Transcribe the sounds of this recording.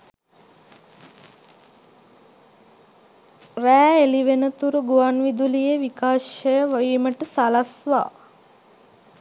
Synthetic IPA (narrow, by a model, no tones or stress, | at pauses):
ræːeliʋenət̪uɾuɡuʋanʋid̪ulijeʋikaːʃəjəʋaʋiːməʈəsalasʋa̰ː